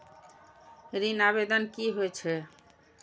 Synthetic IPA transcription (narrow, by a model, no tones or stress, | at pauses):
ɾinaβed̪ɔnkiɦojt͡ʃʰe